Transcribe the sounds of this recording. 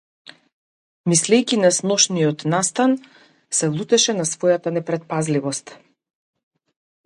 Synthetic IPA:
mislɛjkʲinasnɔʃnijɔt̪nast̪an | sɛvlˠut̪ɛʃɛnasvɔjat̪anɛpɾɛt̪̚pazlivɔst̪

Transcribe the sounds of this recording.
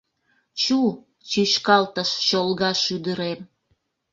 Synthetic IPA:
t͡ɕu | t͡ɕiʃkɑlt̪əʃt͡ɕolɣɑʃyd̪əɾem

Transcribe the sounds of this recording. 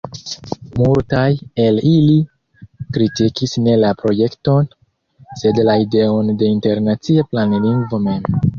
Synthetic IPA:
multaje̞lili | kɾitikisne̞lapɾo̞je̞kto̞n | se̞dlaideo̞nde̞inte̞ɾnat͡siaplanliŋɡvo̞me̞m

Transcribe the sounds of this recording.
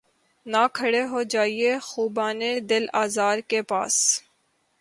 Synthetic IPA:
nakʰəɽeɦod͡ʒaːiexuːbaːned̪ɪlaːzaːɾkepa̰ːs

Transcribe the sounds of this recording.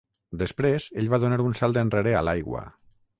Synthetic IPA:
d̪əspɾezeʎβaðonaɾunsalˠd̪enreɾea̰lajɣwə̰

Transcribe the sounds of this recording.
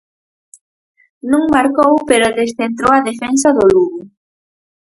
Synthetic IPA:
nũŋmaɾkowpeɾʊðesθent̪ɾowɐðefɛnsɐðʊluɣʊ

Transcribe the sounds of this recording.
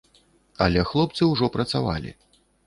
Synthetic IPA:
ɐlʲɛxlˠɔpt̪sɨwʐɔpɾɐt̪sava̰lʲḭ

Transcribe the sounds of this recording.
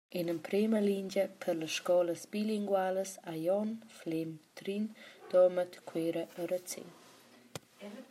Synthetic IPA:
inəmpɾeməlind͡ʒəpʰəɾləsʃkɔləsbiliŋɡwaləsajɔnflemt̪ɾind̪̥ɔmət̪kʰweɾəʔəɾət͡sḛn

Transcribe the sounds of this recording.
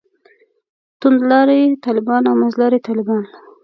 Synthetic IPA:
t̪und̪lɑɾet̪ɑlɪbɑnawmazlɑɾet̪ɑlɪbɑn

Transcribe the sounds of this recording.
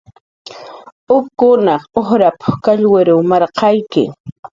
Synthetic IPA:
ʊkːʊnɑχoχɾapʊ̥kaʎwɪɾʊwmɑɾqɑjkɪ̰

